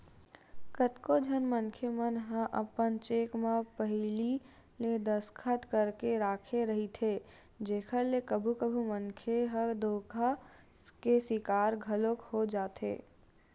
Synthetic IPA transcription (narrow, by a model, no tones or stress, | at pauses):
kət̪kod͡ʒʱənmənkʰjemənɦə̃ʔəpənt͡ʃeːkmãpəɦɪli | led̪əskʰət̪kəɾkeɾaːkʰeɾəɦit̪ʰe | d͡ʒeːkʰəɾlekəbʱukəbʱumənkʰeɦə̃d̪oːɡʱa | kesɪkaːɾɡʱəlokhod͡ʒaːt̪ɦḛː